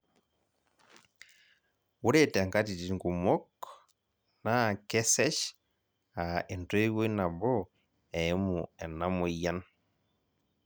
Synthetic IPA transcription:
wu˦ɾe˦tɛ˨ŋka˦ti˨ti˨˦ŋɡu˨mɔ˦k | na˦˨kɛ˦sɛ˦ʃ | a˨e˨ntwe˦wo˦i˦na˨bɔ˦ | ɛ˨˦mu˨ɛ˨na˦mo˨ja˦n

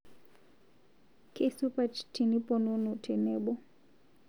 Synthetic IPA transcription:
ke˦su˦pa˨t͡ʃti˨ni˦pɔnu˦nu˨tʰɛ˨nɛ˦ɓɔ˦

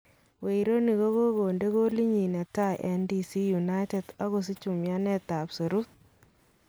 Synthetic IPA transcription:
we˨i˨ɾo˦ni˨ko˦ko˦ɡo˨nde˦ko˦li˦ɲi˨nɛ˨ta˦ʔɛ˦ndi˦si˦ju˨na˦jte˨da˦ɣo˨s̬i˦t͡ʃu˨mja˦nɛ˦ta˨pse˨ɾu˦t̚

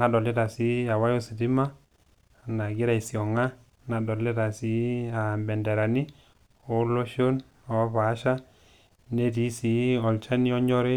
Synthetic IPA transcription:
na˨dɔ˨le˦ta˨si˨˦a˨wa˦jo˦si˨di˦ma˦ | na˨ɡi˦ɾa˨i˨si˨ɔ˨ŋa˦ | na˨dɔ˨lːe˦ta˨si˨˦a˨bɛ˨nde˨ɾa˨ni˦ | o˦lo˦ʃo˦n | ɔ˨˦βa˨˦ʃa˦ | ne˦ti˨˦si˨˦ɔ˨lt͡ʃa˦ni˦ɔ˦ɲɔ˦ɾe˦

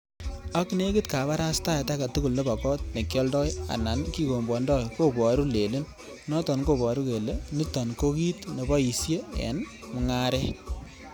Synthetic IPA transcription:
a˦kne˦kɪ˦tka˨βa˦ɾa˦sta˦a˨ta˦ka˨tu˦ku˨lne˦bɔ˨kɔ˦t̚ne˨kjɔ˦ldɔ˦ja̰˨na˨nki˦ko˨mbɔ˨ndɔ˦jko˦bɔ˨ɾu˦le˨le˦n | nɔ˦tɔ˨nko˨bɔ˨ɾu˦ke˨le˦ni˦tɔ˨nko˦ki˦tne˨bɔ˦i˨sje˦ḛ˨n | mʊ˨ŋa˦ɾɛ˦

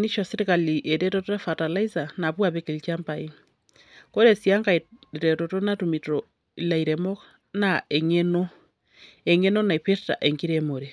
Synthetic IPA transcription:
ni˦ʃo˨si˦ɾika˨liʔe˨te˦totoa˦fata˨la˦izanaβwa˨βeke˨lit͡ʃamba˨i˦ | ko˦ɾe˨sia˦ŋɡaɾe˨toto˦natumito | ila˨iɾemo˦k | nae˨ŋe˦no | e˨ŋe˦no˦na˨i˨pe˦sta̰˨ʔe˨ŋɡi˦ɾemo˨ɾe

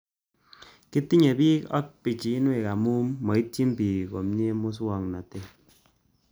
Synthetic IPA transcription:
ki˦ti˦ɲe˨bi˦ɔ̰˦k̚pi˨t͡ʃi˨i˦n˦e˦˨ka˨mu˦mːɔ˨i˦ti˦m̩˦pi˨ko˨m̩˦ɲe˦mu˦s̬wɔ˦˨ŋ˨na˨te˦

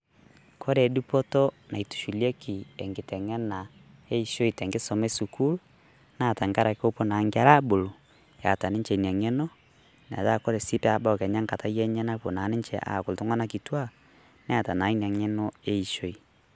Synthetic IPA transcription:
kʰɔ˦ɾɛ˨du˦pɔ˦tɔ˦na˨i˨tu̥˨ʃu˨ljɛ˦kʰi˨ɛ˨ŋɡe˨tɛ˨ŋɛ˦na˨ | e˦i˨ʃo˦i˨tɛ˨ŋɡe˦sɔ˨mɛ˦su˨ku˦l | na˦˨ta˨ŋɡa˦ɾa˨ko˦po˦na˨˦ŋɡe˦a˦ɾa˦bo˨lo˨ | ja̰˨ta˨ne˦ɲt͡ʃɛ˨i˨n˨a˨ŋɛ˦nɔ˦ | na̰˨ða˦˨kɔ˦ɾɛ˨si˦pɛ˦a˨ba˦ɔ˨kɛ˨ɲa˦ŋka˨ta˦jɛ˦ɲɛ˦na˦po˨na˨˦ne˦ɲt͡ʃɛ̰˨ʔa̰˨ko˨lto˦ŋa˦na˦ki˨twa˦ | nɛ˦a˨ta˨na˨i˦n˨a˨ŋɛ˦nɔ˦e˦i˨ʃo˦i˨

